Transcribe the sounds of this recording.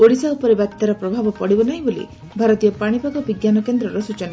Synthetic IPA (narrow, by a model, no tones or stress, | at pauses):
oɽisaupɔɾebapt̪aɾɔpɾɔbʱabɔpɔɽibɔnaɦĩbolḭ | bʱaɾɔt̪ijɔpaɽ̃ipaɡɔbiɡjanɔkend̪ɾɔɾɔsut͡ʃɔna